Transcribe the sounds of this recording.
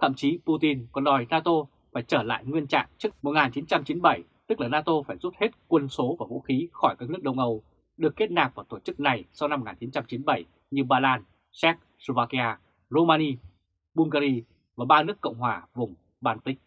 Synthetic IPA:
t̪ʰə̰˧˨mt͡ɕi˨˦pu˧t̪i˧nkɔ˨˩nɗɔ˨˩jnaː˧t̪o˧ | faː˧˩jt͡ɕəː˧˩la̰ː˧˨jŋwi˧ənt͡ɕa̰ː˧˨ŋt͡ɕɨ˦˥ək̚mo˨˩t̚ŋaː˨˩nt͡ɕi˨˦nt͡ɕa˧mt͡ɕi˨˦nɓə˧˩j | t̪ɨ˦˥k̚laː˨˩naː˧t̪o˧faː˧˩jzu˦˥t̚he˦˥t̚kwə˧˩nso˨˦vaː˨˩vṵ˧˥xi˨˦xɔ˧˩jkaː˦˥k̚nɨ˦˥ək̚ɗə˧wŋ͡mʔə˧˩w | ɗɨ˨˩əkːe˦˥t̚naː˨˩k̚ʔvaː˧˩t̪o˧˩t͡ɕɨ˦˥k̚na˨˩jsa˧wna˧m̚ː˨˩˨ŋaː˨˩t͡ɕi˨˦nt͡ɕa˧mt͡ɕi˨˦nɓə˧˩j | ɲɨ˧ɓaː˧laː˧n | sɛ˦˥k̚ | so˧vaː˧ki˧ʔaː˧ | zo˧maː˧ni˧ | ɓu˧ŋɣaː˧ɾi˧ | vaː˨˩ɓaː˧nɨ˦˥əkːə̰˧˨wŋ͡mɦwaː˨˩vʊ˨˩ŋ͡m | ɓaː˧nt̪ï˦˥k̟̚

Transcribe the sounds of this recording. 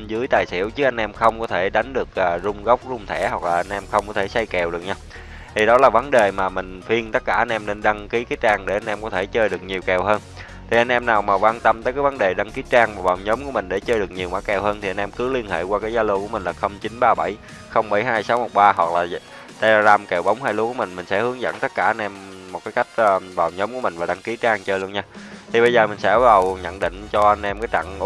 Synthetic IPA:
zɨ˨˦əjt̪aː˨˩jsḭ˧˩əwt͡ɕɨ˦˥k̚a˧jŋ̟ʔɛ˧mxə˧wŋ͡mkɔ˨˦t̪ʰe˧˩ɗa˨˦jŋ̟ɗɨ˨˩ək̚ʔəː˨˩zʊ˧ŋ͡mɣə˦˥wk͡p̚zʊ˧ŋ͡mt̪ʰɛ˧˩hwa˨˩k̚laː˨˩ʔa˧nʔɛ˧mxə˧wŋ͡mkɔ˨˦t̪ʰe˧˩sa˧jkɛ˨˩wɗɨ˨˩ək̚ɲaː˧w | t̪ʰi˨˩ɗɔ˨˦laː˨˩və˨˦nɗe˨˩maː˨˩mï˨˩ŋ̟fi˧ənt̪ə˦˥t̚kaː˧˩ʔa˧nʔɛ˧mne˧nɗa˧ŋki˨˦kaː˨˦˥t͡ɕaː˧ŋɗe˧˩ʔa˧nʔɛ˧mkɔ˨˦t̪ʰe˧˩t͡ɕəː˧jɗɨ˨˩ək̚ɲi˨˩əwkɛ˨˩wɦəː˧n | t̪ʰi˨˩ʔa˧jn̟ʔɛ˧mnaː˨˩wmaː˨˩kwaː˧nt̪ə˧mt̪ə˨˦jkaː˨˦jvə˨˦nɗe˨˩ɗa˧ŋki˨˦t͡ɕaː˧ŋmaː˨˩vaː˨˩wɲo˨˦ŋ͡mku˧˩əmï˨˩ŋ̟ɗe˧˩t͡ɕəː˧jɗɨ˨˩ək̚ɲi˨˩əwmaː˧˦˥kɛ˨˩wɦəː˧nt̪ʰi˨˩a˧nʔɛ˧mkɨ˨˦li˧ənhḛ˧˨kwaː˧kaː˨˦jzaː˨˧˦lo˧ku˧˩mï˨˩ŋ̟laː˨˩xə˧wŋ͡mt͡ɕi˨˦nɓaː˧ɓa˧˩j | xə˧wŋ͡mɓa˧˩jɦaː˧jsa˨˦wmo˨˩t̚ɓaː˧ɦwa˨˩k̚laː˨˩˧ | t̪a˧aː˧zaː˧mke˨˩wɓa˨˦wŋ͡mhaː˧jlu˧kəmï˨˩ŋ̟mï̟˨˩sɛ̰˧˥hɨ˨˦əŋzə̰˧˥nt̪ə˦˥t̚kaː˧˩ʔa˧nʔɛ˧mːo˨˩kaː˨˦jka˦˥jk̚ːvaː˨˩wɲo˨˦wŋ͡mku˧˩mï˨˩ŋ̟vaː˨˩ɗa˧ŋki˨˦t͡ɕaː˧ŋt͡ɕəː˧jlu˧ənɲaː˧t̪ʰi˨˩ɓə˧jzəː˨˩mï˨˩ŋ̟sɛ̰˧˥ɓa˧˦˥ə˨˩wɲə̰˧˨nɗḭ˧˨ŋ̟t͡ɕɔ˧ʔə˧nʔɛ˧mkaː˨˦jt͡ɕa̰˧˨ŋ˧

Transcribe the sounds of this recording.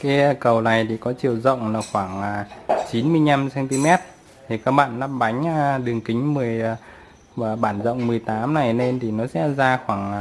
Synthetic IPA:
kaː˨˦˧kə˨˩wna˨˩jt̪ʰi˨˩kɔ˨˦t͡ɕi˧˩əwzə̰˧˨wŋ͡mlaː˨˩xwaː˧˩ŋʔaː˨˩t͡ɕi˨˦nmɨ˧əjɲa˧msɛ˧nt̪i˧mɛ˦˥t̚ | t̪ʰi˨˩kaː˦˥k̚ɓa̰ː˧˨nːa˦˥p̚ɓa˨˦jŋ̟aː˧˩ɗɨ˨˩əŋkï˨˦ŋ̟mɨ˨˩əj | aː˨˩ɓaː˧˩nzə̰˧˨wŋ͡mmɨ˨˩əjt̪aː˨˦mna˨˩jne˧nt̪ʰi˨˩nɔ˨˦sɛ̰˧˥zaː˧xwaː˧˩ŋ˨˩

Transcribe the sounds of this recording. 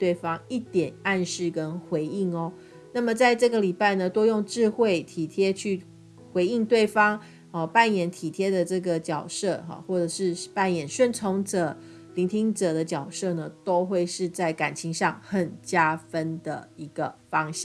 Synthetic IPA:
t̪we˥˩ɪfɑ˥ŋi˥˩t̪jɛ˨˩na˥˧nʂɻ̩˥˩kə˦nxwe˧˥ɪi˥˩ŋɔ˦ | na˥˩mə˨˩t͡sa˥˧ɪʈ͡ʂɤ˥˩ɡə˨li˨˩pa˥˩ɪnə˩t̪wo˥ʊjo˥˧ŋʈ͡ʂɻ̩˥˧xwe˥˩ɪt̪ʰi˨˩t̪ʰjɛ˥t͡ɕʰy˥˩ | xwe˧˥ɪi˥˧ŋt̪we˥˩ɪfɑ˥ŋ | ɔ˨˩pa˥˩njɛ˨˩˦nt̪ʰi˨˩t̪ʰjɛ˥d̪ə˨ʈ͡ʂɤ˥˩ɡə˨˩t͡ɕjɑ˨˩ʊʂɤ˥˩ɐ̰˨˩xwɔ˥˩ʈ͡ʂə˨˩ʂɻ̩˥˧pa˥˩njɛ˨˩˦nɕɥɛ˥˧nt͡sʰo˧˥ŋt͡sə˨˩˦ | li˧˥nt̪ʰi˥ŋʈ͡ʂɤ˨˩d̪ə˦t͡ɕjɑ˨˩ʊʂɤ˥˩nə˩t̪o˥ʊxwe˥˧ɪʂɻ̩˥˧t͡sa˥˩ɪka˨˩nt͡ɕʰi˧˥ŋʂɑ˥˩ŋxə˨˩nt͡ɕja˥fə˦˥nd̪ə̰˩i˧˥ɡ̥ə˨fɑ˥ŋɕjɑ˥˩

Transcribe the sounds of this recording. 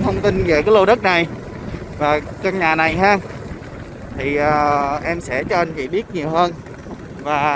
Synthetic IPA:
t̪ʰə˧wŋ͡mt̪i˧nve˨˩kaː˨˦jlo˧ɗə˦˥t̚na˨˩j | vaː˨˩kə˧nɲaː˨˩na˨˩jɦaː˧ | t̪ʰi˨˩ʔəː˨˩ʔɛ˧msɛ̰˧˥t͡ɕɔ˧ʔa˧n̟t͡ɕḭ˧˨˩ɓi˦˥ət̚ɲi˨˩əwhəː˧n | vaː˨˩

